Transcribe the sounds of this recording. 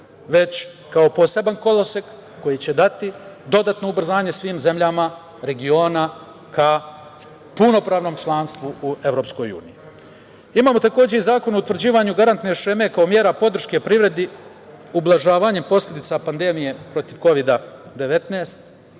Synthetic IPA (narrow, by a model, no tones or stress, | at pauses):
ʋe̞t͡ɕ | kao̞po̞se̞banko̞lˠosekː | o̞jit͡ɕe̞d̪at̪id̪o̞d̪aːt̪no̞ubr̩zaːɲe̞sʋiːmze̞mʎama | ɾe̞ɡio̞ːna | ka | puno̞pɾaːʋno̞mt͡ʃlˠaːnst̪ʋuue̞vʋɾo̞ːpsko̞jṵːniji | imaːmo̞t̪ako̞ːd͡ʑe̞izaːko̞nout̪ʋr̩d͡ʑiːʋaɲuɡaɾant̪ne̞ʃeme̞kao̞mje̞ːɾapo̞d̪r̩ʃke̞pɾiʋɾe̞d̪i | ublˠaʒaːʋaɲe̞mpo̞slʲe̞d̪it̪sapand̪emije̞pɾo̞t̪iʋko̞ʋid̪ad̪e̞ʋe̞t̪naːst̪